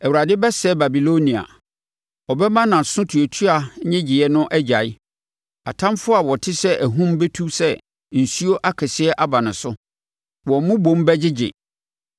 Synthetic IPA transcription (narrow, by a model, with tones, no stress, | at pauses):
ɛ˨wu˨ɾa˨dɪ˦bɛ˦sɛ˦ba˨bi˨lo˦nĩ˨a̰˨ | ɔ˨bɛ˦mã˦nã˨sʊ̃˦tʰu˨o˨tʰu˦a˨˦ɲɪ̃˦d͡ʑɪ˨jɛ˦nʊ̃˦ʔɛ˦d͡ʑa˨ɪ˦ | a̰˨tʰã˦mfʊ˦a˨wɔ˨tʰɪ˦sɛ˦ʔæ˨ɦũ˦mbɛ˦tʰu˦sɛ˦ | n̩˨su˦o˦ʔa˦kʰɛ˨sɪ˦ɛ˦ʔa˦ba˨nʊ̃˨sʊ˦ | wɔ̃˨mʊ̃˦bõ˨˦mbɛ˦d͡ʑɪ˦d͡ʑɪ̰˨